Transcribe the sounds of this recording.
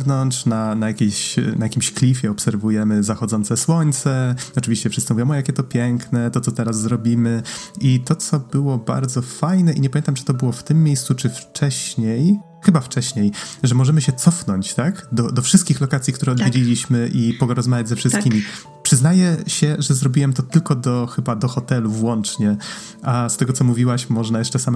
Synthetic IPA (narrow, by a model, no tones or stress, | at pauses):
vnɔnt͡ʂnanajakʲeɕnajakʲimɕklʲifʲjɛɔpsɛɾvujɛmɘzaxɔd̪zɔnt̪sɛswɔɲt̪sɛɔt͡ʂɘvʲiɕt͡ɕɛfʂɘst̪sɨmuvjɔmɔjakʲɛt̪ɔpʲjɛŋknɛt̪ɔt̪sɔt̪ɛɾaszːɾɔbʲimɘit̪ɔt̪sɔbɘwɔba̰ɾd̪zɔfajnɛʔiɲɛpamʲjeɛnt̪amt͡ʂɨ̥t̪ɔbɘwɔft̪ɘmːjejst̪sut͡ʂɘft͡ʂɛɕɲej | xɘbaft͡ʂɛɕɲejʐɛmɔʐɛmɘɕɛt̪sɔfnɔɲt͡ɕt̪akd̪ɔd̪ɔfʂɨst̪kʲixlɔkat̪sʲik̚t̪uɾɛɔd̪vʲjed͡ʑelʲiɕmɘʔipɔɡɔɾɔzmavʲjad͡ʑʲzɛfʂɨskʲimʲi | pʂɘznajɛɕɛʐɛzɾɔbʲiwɛmt̪ɔt̪ɘlkɔd̪ɔxɘbad̪ɔxɔt̪ɛluvwɔnt͡ʂɲɛ | ast̪ɛɡɔt̪sɔmuvʲiwaɕmɔʐnajɛʂt͡ʂɛsam